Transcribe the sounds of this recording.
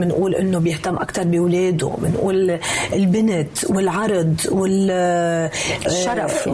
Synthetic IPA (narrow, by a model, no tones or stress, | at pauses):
mɪnʔuːlʔɪ̰nːobjɪht̪amːʔakt̪ɑɾˤbiwleːd̪o̰mɪnʔuːlɪlbɪnɪt̪wɪlʕɑɾˤd̪ˤwɪl | ʃːɑɾˤɑf